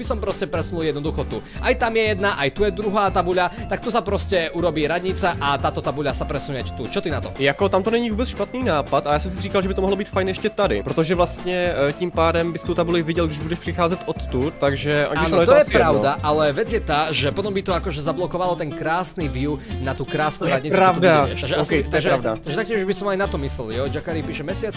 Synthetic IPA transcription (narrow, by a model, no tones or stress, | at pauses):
b̥isɔmpɾɔscɛpɾɛsunulˠjɛd̪nɔd̪uxɔt̪u | ʔajt̪amjɛjɛd̪naʔajt̪ujɛd̪ɾuɦaːt̪abuʎat̪ak̚t̪usapɾɔscɛuɾɔbiːɾad̪ɲit͡saʔat̪aːt̪ɔt̪abuʎasapɾɛsunɲɛajt̪ut͡ʃɔt̪inat̪ɔ̰mjakɔt̪amt̪ɔɲɛɲivuːbɛt͡sʃpat̪niːnaːpat̪ajaːsɔmsiriːkalʒɛbit̪ɔmɔɦlɔbiːt̪fajnɛɛʃcɛt̪adḭpɾɔt̪ɔʒɛvlast̪ɲɛciːmpaːdɛmbɪst̪owt̪abulivɪɟɛlɡdɪʒbudɛʃpr̥ɪxaːzɛt̪ʔot̪ːutt̪aɡʒɛʔa̰ɡaːɛt̪ɔjɛpɾɾawd̪aʔalɛʋɛd͡zjɛt̪aːʒɛpɔt̪ɔmbit̪ɔakɔʒɛzablɔkɔʋalɔt̪ɛnkɾaːsnivjunat̪ukɾaːsnuɾad̪ɲiɾadaɛʃt̪aɡʒɛaskɛt̪aɛɡʒɛɾadat̪aɡʒɛt̪akcimʒbisɔmajnat̪ɔmislɛljɔɟakaɾiːpiːʃɛmɛsɪat͡s